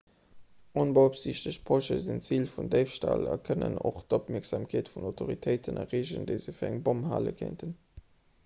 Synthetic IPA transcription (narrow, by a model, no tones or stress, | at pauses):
ʔonbəopsiɕtəɕpʰoʃəzint͡siːlfundəɪfʃtalɑkʰənə̰no̰χdopmiɐkz̥aːmkʰeːtfunoʊtʰoʁitʰəɪtʰənɑʁeːʑəndəɪzəfiːɐæŋbomha̰ːlə̰kʰeɪntʰən